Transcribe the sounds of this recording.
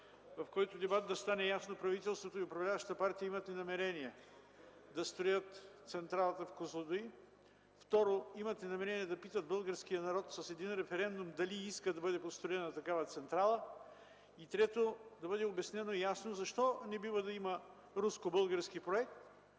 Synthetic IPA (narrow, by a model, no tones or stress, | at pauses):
vɐfkɔjt̪ʊd̪ɛbat̪̚d̪ɐst̪anɛjasnopɾɐvit̪ɛlˠst̪vot̪oiʊpɾɐvlʲavɐʃt̪t̪əpaɾt̪ijəimɐt̪ɛnɐmɛɾɛniɛ | d̪ɐst̪ɾojət̪t̪sɛnt̪ɾalˠət̪əfkozˠod̪oi | ft̪ɔɾoimɐt̪ɛnɐmɛɾɛniɛd̪ɐpit̪əd̪̚bɤlˠɡəɾsk̟ijənɐɾɔt̪sɐsɛd̪inɾɛfɛɾɛnd̪umd̪ɐliiskəd̪ɐbɤd̪ɛpot̪st̪ɾoɛnɐt̪ɐkavət̪sɛnt̪ɾalˠə | it̪ɾɛt̪od̪ɐbɤd̪ɛobɛsnɛnojasnozɐʃt̪ɔnɛbivəd̪ɐimə | ɾuskobɤlˠɡəɾskipɾoɛk̚t̪